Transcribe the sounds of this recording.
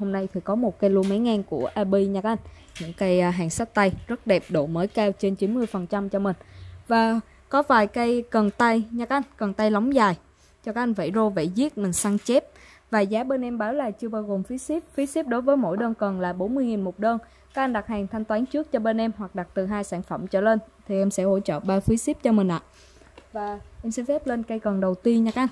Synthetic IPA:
ho˧mna˧jt̪ʰi˨˩kɔ˨˦mo˨˩t̚kə˧jlu˧əma˨˦jŋaː˧nku˧˩əʔa˧ɓi˧ɲa˧k̚ʔa˧jŋ̟ | ɲɨ̰˧˥ŋka˧jɦaː˨˩ŋsa˦˥t̚t̪a˧jzə˦˥t̚ɗɛ˨˩p̚ɗo˧˩məː˨˦jkaː˧wt͡ɕe˧nt͡ɕi˨˦nmɨ˧əjfə˨˩nt͡ɕa˧mt͡ɕɔ˧mï˨˩ŋ̟vaː˨˩ | kɔ˨˦vaː˨˩jkə˧jkə˨˩nt̪a˧jɲa˧˩kːʔa˧ŋkə˨˩nt̪a˧jlɔ˨˦wŋ͡mzaː˨˩j | t͡ɕɔ˧kaː˨˦˥ʔa˧jŋ̟və̰˧˩jzo˧vḛ˧˩zi˦˥ət̚mï˨˩ŋ̟saː˧ŋt͡ɕe˦˥p̚ | vaː˨˩zaː˨˦ɓe˧nʔɛ˧mɓaː˨˦wlaː˨˩jt͡ɕɨ˧əɓaː˧wɣo˨˩mfi˨˦si˦˥p̚fi˨˦si˦˥p̚ɗo˨˦jvəː˨˦jmo̰˧˥jɗəː˧nkə˨˩nlaː˨˩ɓo˨˦nmɨ˧əjŋi˨˩nmo˨˩t̚ɗəː˧n | kaː˨˦˥k̚a˧ŋ̟ɗa˨˩k̚haː˨˩ŋt̪ʰa˧jŋ̟t̪waː˨˦nt͡ɕɨ˦˥ək̚t͡ɕɔ˧ɓe˧nʔɛ˧mhwa˨˩k̚ɗa˨˩k̚t̪ɨ˨˩ɦaː˧jsaː˧˩ŋfə˧˩mt͡ɕə̰ː˧˨˩le˧nt̪ʰi˨˩ʔɛ˧msɛ̰˧˥ho̰˧˥t͡ɕə̰ː˧˨ɓaː˧fi˨˦si˦˥p̚t͡ɕɔ˧mï˨˩ŋ̟ʔa̰ː˧˨ | vaː˨˩ʔɛ˧msi˧nfɛ˦˥p̚le˧nkə˧jkə˨˩nɗə˨˩wt̪i˧ənɲa˧ka˨˦˥ʔn

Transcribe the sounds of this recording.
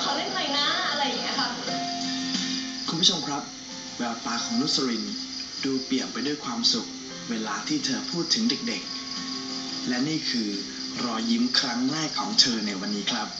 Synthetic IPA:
kʰa˦wle˥˩mna˧˩jnaː˦˥˩ʔa˧ɾa˧ja˨˩ŋi˦˥kʰa˦˥ | kʰu˧npʰu˥˩t͡ɕʰo˧mkʰɾa˦˥p̚ | bɛː˨˧˩a˧˩paː˨˧kʰɔː˩˦ŋlu˦˥t̪̚sa˧ɾi˧nduː˧pli˨˩ənpa˧jdu˥˩əjkʰwaː˧msu˨˩k̚ | weː˧laː˧t̪ʰiː˥˩t̪ʰɤː˧pʰuː˥˩t̪ʰːɯ˩˦ŋde˨˩k̚de˨˩k̚ | lɛ˦˥niː˥˩kʰɯː˧ | ɾɔː˧ji˦˥mkʰɾa˦˥ŋlaː˥˩jkʰːɔ̰ː˩˦ŋt̪ʰɤː˧na˧jwa˧nːiː˦˥kʰɾa˦˥p̚

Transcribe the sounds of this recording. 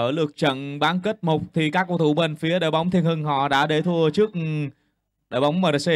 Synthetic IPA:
əː˧˩lɨ˨˩ək̚t͡ɕə̰˧˨nɓaː˨˦nke˦˥t̚mo˨˩k͡p̚t̪ʰi˨˩kaː˦˥kːo˧˩t̪ʰu˧˩ɓe˧˩nfi˨˦əɗə̰ː˨jɓa˨˦wŋ͡mt̪i˧ənhɨ˧˩ŋɦɔ̰˧˨ɗa̰ː˧˥ɗe˧˩t̪ʰu˧ət͡ɕɨ˦˥ək̚ | ɗəː˧˨jɓa˨˦wŋ͡mməː˨˩ɾə˨˩si˧

